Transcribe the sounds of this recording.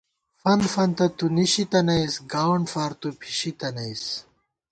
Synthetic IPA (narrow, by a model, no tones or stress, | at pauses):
fɐnfɐnt̪ɐt̪uniɕit̪ɐnɐjsɡawɳɖfaːɾt̪upʰi̥ɕit̪ɐnɐjs